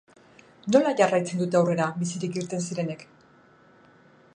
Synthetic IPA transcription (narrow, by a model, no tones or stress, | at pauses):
no̞laʝarajt͡se̞nd̪ut̪e̞awre̞ɾaβisiɾikiɾt̪e̞ns̬iɾe̞ne̞k